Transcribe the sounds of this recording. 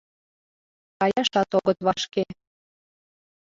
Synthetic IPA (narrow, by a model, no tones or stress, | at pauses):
kɑjɑʃɑt̪oɣət̪βɑʃke